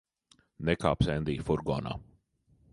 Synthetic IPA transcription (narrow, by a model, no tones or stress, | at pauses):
nɛkaːpsɛnd̪iːfuɾɡɔ̰ːna̰ː